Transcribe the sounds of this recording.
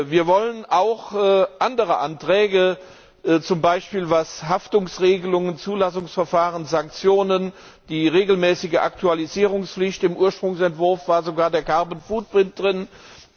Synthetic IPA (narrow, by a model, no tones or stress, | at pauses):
viːɐvɔlənʔaʊxʔandəʁəʔantʁ̥ɛːɡə | t͡sʊmbaɪʃpiːlvashaftʊŋsʁeːɡəlʊŋənt͡suːlasʊŋsfɛɐfaːʁənzaŋk̚t͡sjoːnən | d̥iːʁeːɡl̩mɛːsɪɡəʔa̰ktualiziːʁ̞ʊŋsflɪçtɪmʔuːɐʃpʁ̥ʊŋsɛntv̥ʊɐfv̥aːɐzoɡaːɐdeːɐkʰaɐbən̩fuːt̚b̥ʁɪnt̚d̥ʁɪn